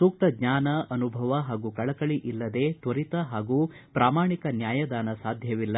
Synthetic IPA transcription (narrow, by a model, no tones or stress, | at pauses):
suːk̚t̪ɐɡɲaːnɐʔɐnubʱɐʋɐɦaːɡuːkɐɭɐkɐɭiʔilːɐd̪eːt̪ʋɐɾit̪ɐɦaːɡuː | pɾaːmaːɳikɐnjaːjɐd̪aːnɐsaːd̪ʱjɐʋilːɐ